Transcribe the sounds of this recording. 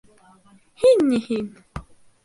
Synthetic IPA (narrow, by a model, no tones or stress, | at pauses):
hinːihin